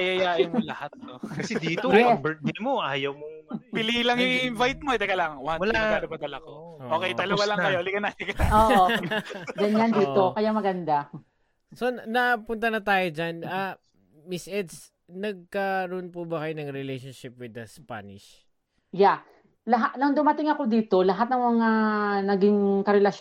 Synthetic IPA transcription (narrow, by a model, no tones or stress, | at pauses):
ɐjɐjaːjɐŋmolɐhat̪̚nokɐsɛd̪iːt̪oɛbɛlɪmoʔaːjɐwmoŋbɪlilɐŋjʊŋɪnvajt̪̚moɛd̪ɛkɐlaːŋɐwɐamɐlaaːɾɐmɐd̪ɐlɐkoʔooːkɛjt̪ɐloɡalɐŋkɐjoʔlikɐnːaːt̪ɪkɐt̪aoːʔo | ɡɐnɲɲaniːtʔ̪okɐjamɐɡɐnd̪a | so̞nɐpʊnt̪ɐnɐt̪aːjod͡ʒana | mɪsʔɛd̪s | nɐɡ̚kɐɾoʔonpubɐkɐjonɐŋɾɛlejʃonʃɪp̚wɪd̪ɐspa̰nɪʃ | ja | lɐɦanɐŋd̪ʊmɐt̪ɪŋɐko̞d̪iːt̪o̞lɐɦat̪̚nɐŋmɐŋanɐɡɪŋkɐɾɛlɐʃ